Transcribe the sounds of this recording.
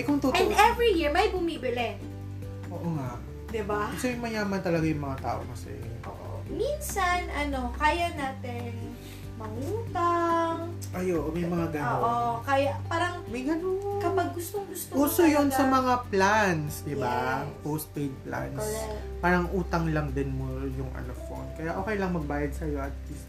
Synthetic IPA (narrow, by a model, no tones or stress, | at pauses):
ʔɛkʊŋt̪oɛ̃nd̪ɛvɹijiɹmɐjbʊmiːbɪlɛ | ʔoːʔoŋaʔ | d̪ɪbasomɪmɐjaːmɐnt̪ɐlɐɡajʊŋmɐŋat̪a̰ːʔo̰kɐsɛ̰ʔo̰ːʔo̰ | minsɐnʔɐno̞kaːjɐnaːt̪ɪn | mɐŋuːt̪ɐŋ | ʔɐjoʔmɐjmɐŋaɡaowokajapaːɾɐŋmɐjɡɐnoŋkɐpaɡ̚ɡʊst̪oŋɡʊst̪ouːsojonsɐmɐŋaplansd̪ɪbapowst̪̚pejd̪̚pla̰nspaːɾɐŋʔuːt̪ɐŋlɐŋd̪ɪnmojʊŋʔɐ̰no̰fo̰nkɐjaʔoːkɛjlɐŋmɐɡ̚baːjɐd̪̚sɐjo̞ʔɐt̪̚list̪̚